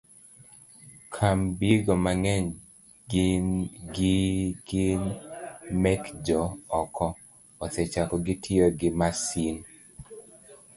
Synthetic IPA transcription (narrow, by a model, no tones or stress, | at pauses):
kʰambiɡɔmaŋɛɲ | nɡiɡɪn | mɛkd͡ʒɔːkʰɔː | sɛt͡ʃakɔɡɪtʰɪoɡɪmasin